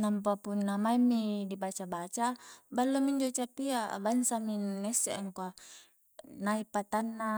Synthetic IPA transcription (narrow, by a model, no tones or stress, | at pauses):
namp̬apunːamaimːidibat͡ʃabat͡ʃabalːomiɲd͡ʒot͡ʃapiabansaminːeseʔaŋkoa | naipat̪anːa